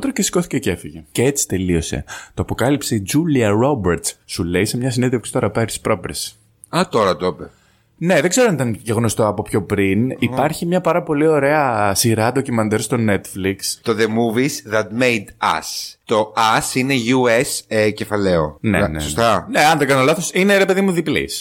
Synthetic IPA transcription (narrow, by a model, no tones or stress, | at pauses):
t̪ɾocesi̥ko̞θicece̞fiʝeceet͡si̥t̪e̞lio̞se̞̰t̪oɐpo̞kɐlipseid͡ʒuliɐɾo̞beɾt̪ssule̞isemɲɐs̬ineðefksi̥t̪oɾɐpeɾt̪i̥spɾo̞pɾes | ɐt̪o̞ɾɐt̪ope | ne̞ðeɡze̞ɾonit̪ɐnʝeɣno̞st̪oɐpo̞pço̞pɾinippɐɾçimɲɐpɐɾɐpo̞lio̞ɾe̞ɐsiɾɐt̪o̞cimɐnd̪eɾost̪o̞ne̞t̪flikst̪oðemuvisðɐt̪mejd̪ɐ̰st̪o̞ɐsineʝuesece̞fɐleo̰nenḛost̪ɐneɐnd̪ekɐnolɐθo̞sine̞ɾe̞pe̞ðimuðiplḭs